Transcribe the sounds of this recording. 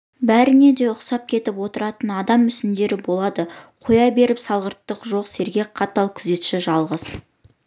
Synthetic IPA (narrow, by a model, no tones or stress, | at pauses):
bæɾɪne̞d̪e̞ʊqsɑp̚kʲʰe̞t̪ɪpwo̞t̪əɾɑt̪ənɑd̪ɑmːʏsɪnd̪e̞ɾɪbo̞lˠɑd̪əqʰojɑbe̞ɾɪpsɑlˠʁəɾt̪ːəqʒo̞qse̞ɾɡʲe̞qʰɑt̪ːɑlˠkʲʰʏze̞t̪ʃɪʒɑlˠʁəz